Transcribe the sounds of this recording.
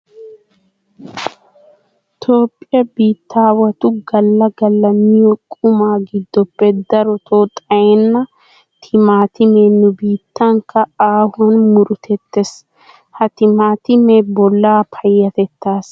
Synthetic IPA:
t̪ʰo̞ːpʼːɪjɐbiːt̪ːaːwɐt̪ʊɡɐlːɐɡɐlːɐmɪjɔkʼʊmaːɡɪd̪ːɔpːɛd̪ɐɾɔt̪ʰoːt̪ʼɐjɛnːɐ | t̪ʰɪmaːt̪ɪmeːnːʊbiːt̪ːɐŋkɐaːhɔnmʊɾʊt̪ʰɛt̪ːes | hɐt̪ɪmaːt̪ɪmebɔlːaːpʰɐjːɐt̪ɛt̪ːaːs

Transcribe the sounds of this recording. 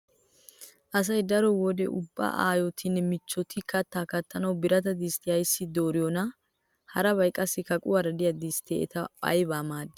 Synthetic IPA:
ʔɐs̬ɐjd̪ɐɾɔwɔd̪ɛʔʊbːa̰ːʔa̰ːjɔt̪ʰɪnːɛmɪt͡ʃːɔt̪ɪkɐt̪ːaːkɐt̪ːɐnɐwbɪɾɐt̪ɐd̪ist̪ɪjɐjsːɪd̪oːɾɪjɔnɐ | hɐɾɐbɐjkʼːɐsːɪkɐkʼʊwɐɾɐd̪ɪjɐd̪ist̪ḛɛ̰t̪ɐpʼɐ̰jbaːmaːd̪ːɪ

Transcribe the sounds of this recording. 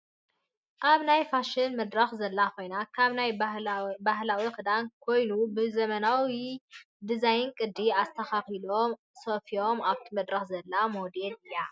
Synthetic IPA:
ʔaβnajfaʃɪnmɐd̪ɾɐxzɐlːakʰo̞jnakʰaβnaj | bahlawixɨd̪ankʰo̞jnubɨzɐmɐnawi | d̪ɨzajɨnkʼɨd̪ːiast̪ʰɐxaxilo̞m | sofio̞maβt̪ʰimɐd̪ɾɐxzɐlːamod̪elɨjːa

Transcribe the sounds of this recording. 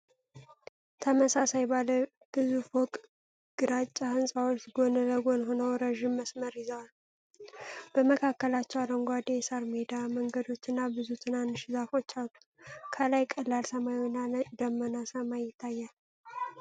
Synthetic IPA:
t̪ʰəməsasajbalə | ɡ̥ɨzufokʼ | ɡ̥ɨɾat͡ʃʼːahɨnsʼawot͡ʃːɡo̞nələɡo̞nɦo̞nəwɾəʒɪmːəsməɾɪzəwal | b̥əməkʰakːəlat͡ʃːɛwad̪əŋɡʷad̪esəɾmed̪aməŋɡəd̪o̞t͡ʃːɨnːabɨzut̪ʰɨnanːɨʃɪzafo̞t͡ʃːat̪u̥ | kʰəlajkʼəlːalsəmajnːad̪əmːənasəmajjɪt̪ʰːajːal

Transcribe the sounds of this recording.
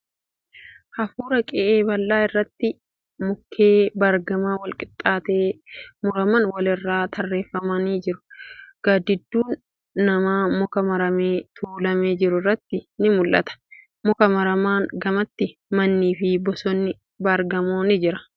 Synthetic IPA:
hɐfuːɾɐkʼɛʔeːbɐlːaːɪrːɐt̪ːɪ | mʊkʰːeːbɐɾɡɐmaːwɐlkʼɪt̪ʼːaːt̪eːmʊɾɐmɐnwɐlɪrːaːt̪ʰɐrːe̞ːfːɐmɐniːd͡ʒɪɾʊ̥ɡ̥aːd̪ɪd̪ːuːnː | ɐmaːmʊkɐmɐɾɐmeːt̪ʰuːlɐmeːd͡ʒɪɾʊrːɐt̪ːɪnɪmʊlʔɐ̰t̪ɐ̥ | mɔkɐmɐɾɐmaːnɡɐmɐt̪ːɪmɐnːiːfɪbɔsɔnːɪ | bɐɾɡɐmoːnɪd͡ʒɪɾɐ

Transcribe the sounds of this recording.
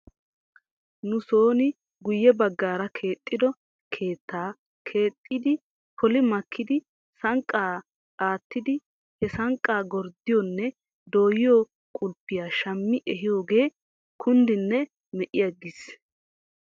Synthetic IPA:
nʊso̞ːnɪ | ɡʊjːɛbɐɡːaːɾɐkʰe̞ːt̪ʼːɪd̪ɔ | kʰe̞ːt̪ːaː | kʰe̞ːt̪ʼːɪd̪ɪ | pʰɔlɪmɐkʰːɪd̪ɪ | sɐŋkʼːaː | aːt̪ːɪd̪ɪ | hɛsɐŋkʼːaːɡɔɾd̪ɪjɔnːɛ | d̪o̞ːjɪjo | kʼʊlpːɪjaːʃɐmːɪʔɛɦɪjo̞ːɡe̞ː | kʰʊnd̪ɪnːɛ | mɛʔɪjɐɡːɪs

